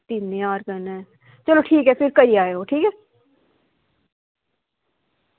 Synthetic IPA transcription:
t̪inːeaːɾkɐɾnɛ̃ | t͡ʃɐloʈʰiːkɦɛfɪɾkɐɾiaːeɦoʈʰiːkɦɛː

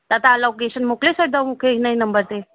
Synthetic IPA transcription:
t̪at̪aːlokeɕənmoklesəɽd̪amukʰeɦinainəmbəɾt̪e

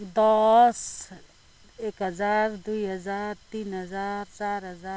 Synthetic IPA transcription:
d̪ɔs | eːkɦəzaːɾd̪uiɦəd͡ʒaːɾt̪iːnɦəzaɾt͡ʃaːɾɦəzaː

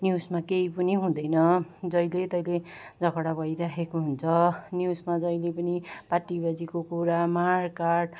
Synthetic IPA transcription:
njusmakeipʌniɦũd̪ʌjnʌd͡zʌjlet̪ʌjled͡zʌkʌɽabʱʌjɾakʰekoɦunt͡sʰʌnjusmad͡zʌjlepʌnipaʈːibad͡zikokuɾamarkaɖ

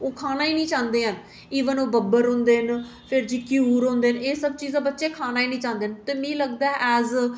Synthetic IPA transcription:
oːkʰaːnaːiːnĩːt͡ʃãːnd̪eːɦən | iːʋənoːbəbəɾɦõːnd̪eːn | pʰɪɾd͡ʒiːkiuːɾɦõːnd̪eːneːsəb̚t͡ʃiːzãːbətːʃeːkʰaːnaːiːnĩːt͡ʃãːnd̪eːɦənt̪eːmĩːləɡd̪aːɛʔɛːz

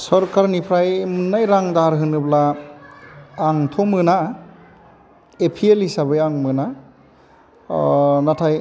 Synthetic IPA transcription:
sɔɾkaɾnipʰɾajmunːajɾaŋdaɾɦɯnɯbla | ŋtʰɔmɯna | epʰielisabɯjaŋmɯna | natʰaj

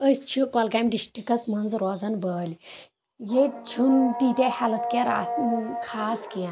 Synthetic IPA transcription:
əst͡ʃʰikɔlɡamɖisʈikɐsmɐnzɾɔːzɐnbəːlʲ | jet͡ʃʰund̪id̪ehalɐt̪keɾa̰ːsnkʰaːskiɐ

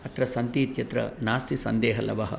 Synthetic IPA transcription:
ɐt̪ɾɐsɐnt̪iːt̪jɐt̪ɾɐ̰naːst̪isɐnd̪eːɦɐlɐ̰ʋɐɦɐ̰

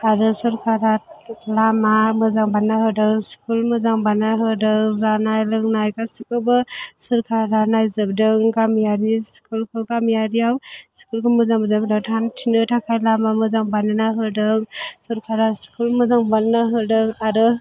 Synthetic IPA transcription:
aɾɯsɯɾkʰaɾat̚lamamɯzaŋbanːaɦɯdɯŋskʰulmɯzaŋbananaɦɯdɯŋzanajlɯŋnajkasikɯbɯsɯɾkʰaɾɾanajzɯb̚dɯŋɡamijaɾnisi̥kulkʰɯkamijaɾijawsi̥kulkʰɯmɯzaŋbɯzabdatʰantʰinɯtʰakʰajlamamɯzaŋbanɯnaɦɯdɯŋsɔɾkʰaɾasi̥kulmɯzaŋbannaɦɯdɯŋaɾɯ

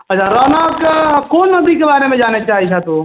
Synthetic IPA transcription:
ɐt͡ʃʰaɾɔːnəkkoːnːɐbʱikebaːɾemẽd͡ʒaːnet͡ʃaːɦit͡ʃʰat̪o

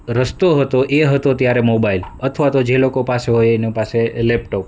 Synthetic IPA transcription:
ɾəst̪oɦət̪oʔeɦət̪ot̪jaɾemobailət̪ʰʋat̪od͡ʒelokopaseɦojenipaselɛpʈop̚

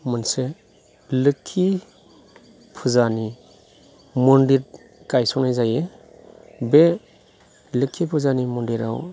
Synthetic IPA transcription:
mɯnse | lɯkʰːi | pʰuzani | mɔndiɾ | kajsɔknajzaje | be | lɯkʰːipʰuzanimɔndiɾa̰w

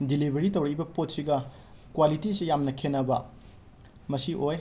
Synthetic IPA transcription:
dilibʱeɾitɐwɾɐibɐpot̚siɡɐ | kwalitisijamnɐkʰenːɐbɐ | mɐsiʔoj

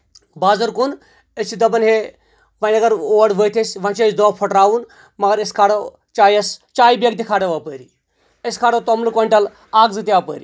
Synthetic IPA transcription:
baːzɐɾkun | ət͡ʃʰid̪ɐbɐnɦe | ʋɐnʲɐɡɐɾoːɐɖʋəːt̪ʰesʲʋɐ̃nt͡ʃʰesd̪oːpʰɐʈɾaːʋun | mɐɡɐɾeskʰaːɽɐ | t͡ʃaːjɐst͡ʃaːibeɡt̪ikʰaːɽɐʋaːpəːɾi | əskʰaːɽɐt̪omlɨkoɳʈɐl | aːɡzɨt̪iaːpə̰ːɾi

